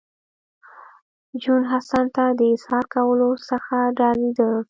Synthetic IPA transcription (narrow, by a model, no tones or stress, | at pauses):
d͡ʒunɦasant̪ad̪əɪshɑɾkawəlosəxaɖɑɾed̪ə